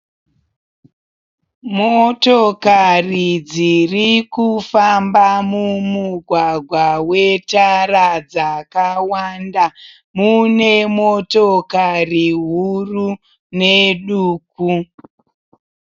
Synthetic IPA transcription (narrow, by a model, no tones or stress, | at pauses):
motokarid͡zirikufambamumuɡʱwaɡʱwawetaɾad͡zakawanda | mune̞motokariɦuru | neɗuːku